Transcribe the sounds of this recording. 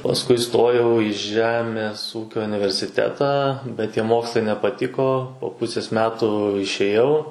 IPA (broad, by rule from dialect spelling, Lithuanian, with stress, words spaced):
pɐsˈkʊɪ ɪˈstoːjɛʊ ɪ ˈʒʲæːmʲeːs ˈuːkʲoː ʊnʲɪʋʲɛrʲsʲɪˈtʲæːtɑː bʲɛt tʲiɛ ˈmoːkslˠɐɪ nʲɛpɐˈtʲɪkoː poː ˈpʊsʲeːs ˈmʲæːtʊ ɪʃʲeːˈjɛʊ